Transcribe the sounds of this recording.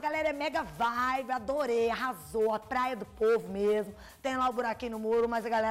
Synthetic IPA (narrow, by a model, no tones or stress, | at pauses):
ɐɡalɛɾɐɛmɛɡɐvajbead̪oɾejɐɦazoapɾajɐd̪ʊpovʊmezmʊ | t̪ẽj̃laʊbuɾakĩnʊmoɾʊmɐzɐɡalɛ